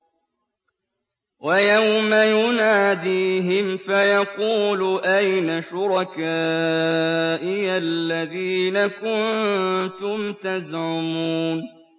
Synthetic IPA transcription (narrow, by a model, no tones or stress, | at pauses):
wajawmajʊnaːd̪iːɦɪmfajɑquːluʔajnaʃʊɾˤɑkaː | ʔɪalːaðiːnakʊnt̪ʊmt̪azʕʊmuːn